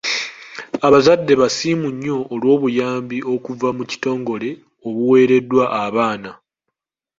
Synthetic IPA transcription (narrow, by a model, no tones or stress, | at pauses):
aβazadːe̞βasimuɲːo̞ʔːlwo̞ːβujaːmbio̞kuvamuci̥to̞ːŋɡo̞le̞ | o̞βuwe̞ːɾe̞dːwaʔːβaːna